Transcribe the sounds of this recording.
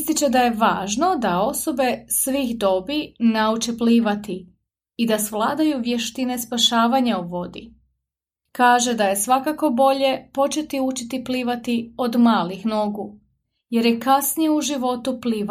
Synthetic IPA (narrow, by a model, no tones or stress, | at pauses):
st̪it͡ʃed̪aje̞ʋaːʒno̞d̪ao̞so̞be̞sʋixd̪o̞binaut͡ʃepliːʋat̪i | id̪asʋlˠaːd̪ajuʋje̞ʃt̪ine̞spaʃaːʋaɲaoʋo̞d̪ḭ | kaːʒe̞d̪aje̞sʋakako̞bo̞ʎe̞po̞t͡ʃe̞t̪iut͡ʃit̪ipliːʋat̪io̞d̪maːlixno̞ɡu | je̞ɾjekasnijeuʒiʋo̞t̪upliːʋa